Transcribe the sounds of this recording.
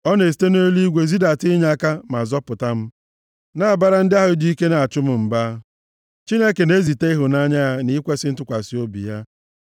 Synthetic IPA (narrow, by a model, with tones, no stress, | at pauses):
ɔ˦ne˨s̬i̥˨˦te˦n˦o˦li˦ɡʷe˨zi˦da˨tɪ˦ɲa˨˦ka˦ma˨zɔ˦pʊ˨ta˦m̩˦ | na˦a˨ba˦ɾa˦n̩˦dɪ˦a˦ɦʊ˦di˦i˦ke˦na˨a˨t͡ʃʊ˦m̩˦m̩˨ba˦ | t͡ʃi˦ne˦ke˨ne˦zi˨te˦i˦ɦʊ˨na˦ɲa˦a˦ni˦kʷe˦sɪ˦n̩˦tʊ˦kʷa˨si˦o˦bḭ˨ja˦